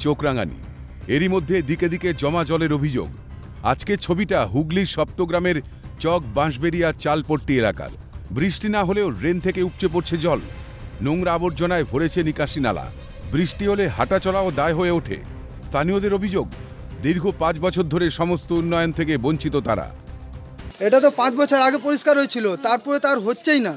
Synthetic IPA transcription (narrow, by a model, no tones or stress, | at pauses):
t͡ɕokɾaŋa̰nḭ | eɾimod̪ʱːed̪iked̪iked͡ʑɔmad͡ʑɔleɾobʱid͡ʑo̰ɡ | a̰d͡ʑket͡ɕʰobiʈaɦuɡliɾʃɔp̚t̪oɡɾameɾ | t͡ɕɔk̚bãʃ̬beɾijat͡ɕalpoʈːielaka̰ɾ | bɾiʃʈinaɦoleoɾent̪ʰekeup̚t͡ɕep̬oɾt͡ɕʰed͡ʑɔl | noŋɾaboɾ̚d͡ʑonaebʱoɽet͡ɕʰenikaʃina̰la̰ | bɾiʃʈiɦoleɦa̰ʈat͡ɕɔlaod̪aeɦoeoʈʰḛ | st̪ʰaniod̪eɾobʱid͡ʑoɡ | d̪iɾɡʱopãt͡ɕbɔt͡ɕʰoɾd̪ʱoɾeʃɔmost̪ounːɔjont̪ʰekeboɲt͡ɕit̪ot̪aɾa̰ | eʈat̪̬opãt͡ɕbɔt͡ɕʰoɾaɡepoɾiʃkaɾɦoet͡ɕʰilot̪aɾpɔɾet̪aɾɦotːt͡ɕajna